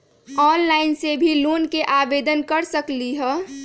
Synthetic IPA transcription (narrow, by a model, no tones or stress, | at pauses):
ɔːnlaːɪnsebʱiloːnkeʔaːbeːd̪ənkəɾsəkliɦɛː